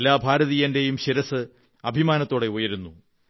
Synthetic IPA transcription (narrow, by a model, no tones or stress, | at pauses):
lːaːbʱaːɾɐðijɐnde̞jumɕiɾɐsɨ | ɐbʱimaːnɐt̪ːoːɽe̞ojɐɾunːu